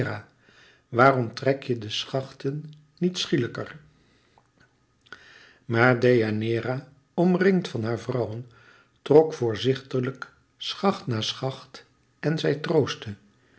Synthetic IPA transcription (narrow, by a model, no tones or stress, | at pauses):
ra | ʋaːrɔmtrɛkjədəsχɑχtənː | itsχiləkər | maːɹdejanɪːra | ɔmrɪŋtfɑnɦaːɹvrʌwən | trɔkfʊːɹzɪχtələk | sχɑχtnaːsχɑχt | ɛnzɛjtrowstə